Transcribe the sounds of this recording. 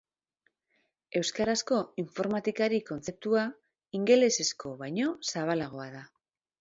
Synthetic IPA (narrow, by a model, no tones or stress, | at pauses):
e̞wskaɾasko̞iɱfo̞ɾmat̪ikaɾiko̞nt͡se̞p̚t̪ua | iŋɡe̞le̞se̞sko̞βajɲo̞saβ̞alaɣ̞o̞aða